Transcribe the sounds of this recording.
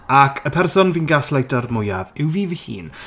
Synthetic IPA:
akʰəpʰɛrsɔnviːnɡaslˠajtɔrmʊja̰vɪwviːvihḭːn

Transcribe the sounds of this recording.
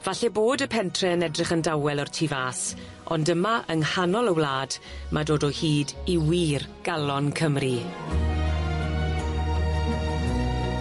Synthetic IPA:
vaɬɛboːdəpʰɛntʰrɛənɛdrɪχəndawɛlˠɔrtʰivaːs | ɔndəmaʔənhanɔlˠəwlaːdmʔadoːdɔhiːdiwiːrɡ̥alˠɔnkʰəmri

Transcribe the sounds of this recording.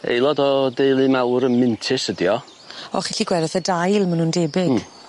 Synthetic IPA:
ḛjlˠɔdɔdejlˠɨmawɾənmɪntʰɪsədjɔ | ɔ̰χiɬiɡwɛɾɛθədajlˠmanundeːbɪɡ

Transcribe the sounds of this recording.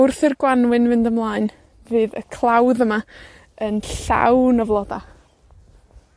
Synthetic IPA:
ʊrθɪrɡwanwɪnvɨndəmlˠaːɨn | vɨːðə̰kʰlˠawðəma | ənɬa̰wnəvlˠɔda

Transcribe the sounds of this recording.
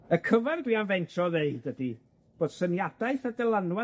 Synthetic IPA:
əkʰəvɛrdwianvɛntʰɔðeɨdədi | b̥oːd̥sənjadaɨθadɛlˠanwa

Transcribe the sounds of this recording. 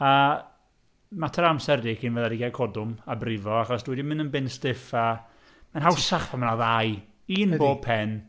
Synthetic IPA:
a | matʰaɾamsɛrdikʰinvɛðadiɡajkʰɔdʊmabrɪvɔaχɔsd̥wɛdimɪnənbɪnstɪfa | manɦawsaχvamanaðaj | iːnboːd̚pʰɛn

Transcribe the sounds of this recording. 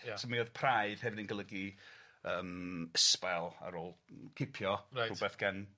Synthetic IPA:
sɔmioðpʰraɨð̥hɛvɪninɡəlˠəɡiəːməspɛlˠa̰ɾoːlˠkʰɪpʰjɔarubɛθɡ̥an

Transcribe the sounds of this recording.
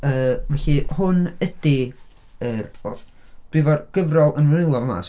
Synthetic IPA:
əːvɛɬihʊnəd̥i | ərɔd̥wivɔrɡ̥əvrɔlˠənvnɪlˠɔrma̰s

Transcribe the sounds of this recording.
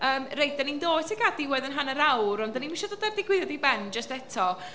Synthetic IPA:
əːmrejd̚danindoːtʰiɡadiwɛðənɦanəɾawɾɔndaniminʃɛdoːdardɪɡwɪðjɔdibɛnd͡ʒəstɛtʰɔ

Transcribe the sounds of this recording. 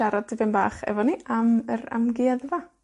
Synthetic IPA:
aɾadəvɪnba̰ːχɛ̰vɔniaməɾa̰mɡɪːaðəva

